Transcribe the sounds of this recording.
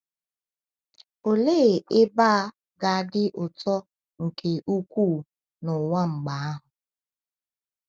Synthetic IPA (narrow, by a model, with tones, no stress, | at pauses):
o˨le˦˨ɪ˦ba˦ | ɡa˨˦dɪ˦ʔʊ˨tɔ˦ | ŋ̩˨kʰe˨ʔu˦kʷu˦˨ | nʊ˨ŋa˦ŋ͡m̩˨ɡ͡ba˨a˦ɦʊ˨